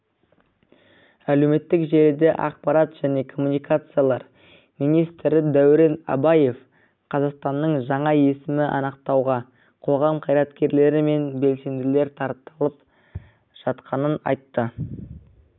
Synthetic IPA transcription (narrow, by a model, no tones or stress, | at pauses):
æle̞wme̞t̪ːɪkʒe̞ɾd̪e̞ʔɑ̰q̚pɑɾɑt̪ʒ̥æne̞kʰo̞munijkat̪sɨjalˠɑɾ | mijnijst̪ɾɪd̪æwɾe̞nɑ̰bɑje̞f | qʰɑzɑqst̪ɑnːəɴʒɑɴɑje̞sɪmɪʔɑ̰nəq̚t̪ɑwʁɑ | qʰo̞ʁɑmqʰɑjɾɑt̪kʲe̞ɾle̞ɾɪme̞nbe̞lse̞nd̪ɪle̞ɾt̪ʰɑɾt̪əlˠəp | ʒ̥ɑt̪qɑnənɑ̰jt̪ːə